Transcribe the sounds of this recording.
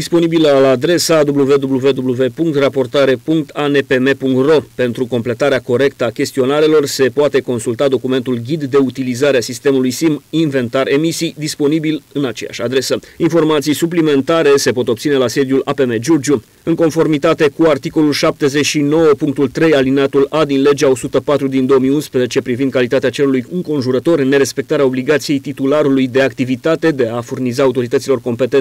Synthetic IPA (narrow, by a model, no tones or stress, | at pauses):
d̪ispo̞nibiləlaːd̪ɾe̞sad̪ubluve̞d̪ubluve̞d̪ubluve̞puŋkt̪rapo̞rt̪aɾe̞puŋk̚t̪ʰane̞pe̞me̞puŋkt̪ro̞pe̞nt̪ɾuko̞mple̞t̪aɾeako̞ɾe̞kt̪əakʲe̞st̪io̞naɾelo̞rse̞poat̪e̞ko̞nsult̪ad̪o̞kume̞nt̪ulɡʲid̪ːe̞ut̪ilizaɾeasist̪e̞mulujsiminve̞nt̪aɾʔe̞misijd̪ispo̞nibilɨnat͡ʃeja̰ʃad̪ɾe̞səinfo̞rmat̪sijsuplime̞nt̪aɾe̞se̞po̞t̪o̞p̚t̪sine̞lase̞d̪julape̞me̞d͡ʒurd͡ʒu | ɨŋko̞nfo̞rmit̪at̪e̞kuart̪iko̞lulʃap̚t̪e̞ze̞t͡ʃʃino̞wəpuŋk̚t̪ult̪ɾe̞jalineat̪ulad̪inle̞d͡ʒao̞sut̪əpat̪ɾud̪ind̪o̞omijunspɾezet͡ʃe̞pɾivind̪̚kalit̪at̪eat͡ʃe̞lulujɨŋko̞nʒuɾət̪o̞rne̞ɾe̞spe̞k̚t̪aɾeao̞bliɡat̪sije̞jt̪it̪ulaɾulujd̪e̞ak̚t̪ivit̪at̪e̞d̪e̞afurnizaːut̪o̞ɾit̪ət̪silo̞rko̞mpe̞t̪e